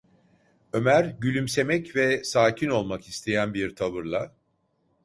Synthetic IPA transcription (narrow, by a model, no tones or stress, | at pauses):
ø̞mæɾɟylʲymse̞mɛcvɛsaːcʰino̞lˠmakist̪ʰe̞jænbiɾt̪ʰaβɯɾlˠa